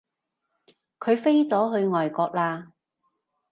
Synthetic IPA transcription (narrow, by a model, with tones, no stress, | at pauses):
kʰɵ˨˧ɥfe˥jt͡sɔː˨˥ɦɵ˧ɥŋɔː˨˩jkɔː˧k̚laː˧